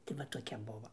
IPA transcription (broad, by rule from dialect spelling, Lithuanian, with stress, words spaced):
tɐɪ ʋɐ toːˈkʲɛ ˈbʊʋoː